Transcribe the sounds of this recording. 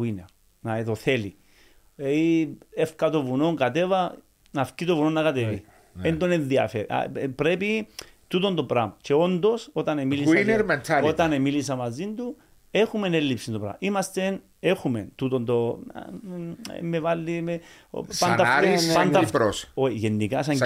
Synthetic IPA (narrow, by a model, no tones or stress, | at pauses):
ineɾ | nat̪oθelḭ | eiefkat̪ovuno̞ŋkat̪evɐ | nafcit̪ovunonːakat̪evi | nend̪onenðiɐ̰feɾḭpɾepi | t̪ut̪ond̪opɾamt͡ʃeo̞nd̪o̞so̞t̪ɐnemilisineɾment̪ʰaot̪ɐnemilisɐmazind̪u | exumenelːipsind̪opɾa̰mimɐst̪e̞n | exumḛnt̪ut̪ond̪o̰ | mːevalːimḛ | panafɾeand̪ɐɾosoʝenːikasaɲ